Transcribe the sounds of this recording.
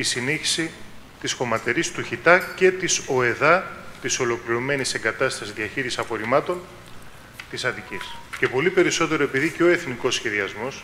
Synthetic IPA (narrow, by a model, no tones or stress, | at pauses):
isiniçi̥si | t̪isxo̞mɐt̪e̞ɾist̪uçit̪ɐce̞t̪iso̞e̞ðɐt̪iso̞lo̞kliɾo̞me̞nise̞ŋɡɐt̪ɐst̪ɐsizðiɐçiɾisisɐpo̞ɾimɐt̪o̞n | t̪isɐt̪icisce̞po̞lipe̞ɾiso̞t̪e̞ɾo̞e̞piðiceo̞e̞θniko̞sçe̞ðiɐzmo̞s